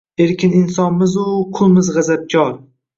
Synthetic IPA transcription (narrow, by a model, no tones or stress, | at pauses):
e̞ɾkʲɪnɪnsɒnmɪzʊqʰʊlˠmɪzʁɨzap̚kʲʰɒɾ